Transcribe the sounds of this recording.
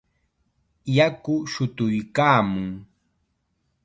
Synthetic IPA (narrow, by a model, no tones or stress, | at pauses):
jakʊʃʊt̪ʊjkaːmʊŋ